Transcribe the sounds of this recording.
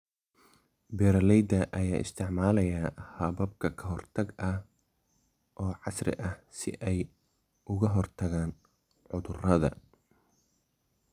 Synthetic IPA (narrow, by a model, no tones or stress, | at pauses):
bɛːɾɐlɛjd̪ɐʔɐjaːʔɪ̰st̪ʰɪʕmaːlɐjɐhɐbɐb̚kʰɐkʰɐɦɔrt̪ʰɐɡɐh | ʔɔːʕɑsrɪ̰ʔɐhsɪ̰ʔɛj | ʊɣɐɦɔrt̪ʰɐɣaːn | ʕʊðʊrɐðɐ̰